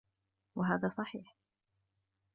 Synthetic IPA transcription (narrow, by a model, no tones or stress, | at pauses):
waɦaːðaːsˤɑħḭːħ